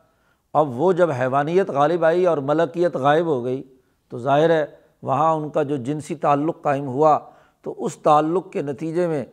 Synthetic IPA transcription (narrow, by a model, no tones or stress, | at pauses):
ɐbʋod͡ʒɐbɦɛːʋaːnijət̪ɣaːlɪbaːiɔːɾmɐləqijət̪ɣaːɪbɦoɡɐiː | t̪ozaːɦɪɾɦɛː | ʋɐɦãʊnkad͡ʒoːd͡ʒɪnsit̪aːlːʊqːaːɪmɦua | t̪o̰ʔʊst̪aːlːʊq̚kenɐt̪iːd͡ʒemẽ